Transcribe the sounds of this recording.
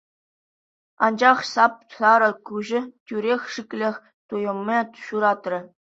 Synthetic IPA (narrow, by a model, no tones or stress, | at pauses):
ɑ̰nd͡ʑɑχsɑp̚sɑɾɤ̆kuʑɘ̆tʲyɾʲexʲʂikʲlʲexʲ | t̪ujɤ̆mʲːeɕuɾɑt̪rʲɘ̆